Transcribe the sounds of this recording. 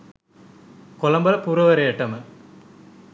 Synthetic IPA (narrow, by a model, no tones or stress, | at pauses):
kolɐmbɐlɐpuːɾɐʋɐɾeeʈːɐmɐ